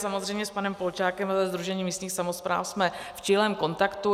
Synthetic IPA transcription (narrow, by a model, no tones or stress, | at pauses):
samozr̝ɛjmɲɛspanɛmpolt͡ʃaːkɛmazɛzd̪ɾuʒɛɲiːmiːst̪ɲiːxsamo̞spɾa̰ːfsmɛft͡ʃilɛːmko̞nt̪akt̪u